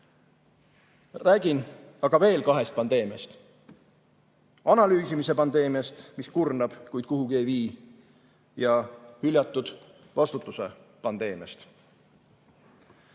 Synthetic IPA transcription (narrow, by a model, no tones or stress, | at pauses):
ræːɡ̥in | ɑɡ̥ɑve̞ːlkɑɦe̞st̪̚pɑnd̪e̞ːmiɑst̪ | ɑnɑlyːsimise̞pɑnd̪̥e̞ːmiɑst̪miskurnɑb̥kujd̪̥̚kuhuɡ̥e̞ːviː | jɑhylʲjɑt̪ˑːud̪̥ | vɑst̪ut̪ːˑuse̞pɑnd̪̥e̞ːmiɑ̰st̪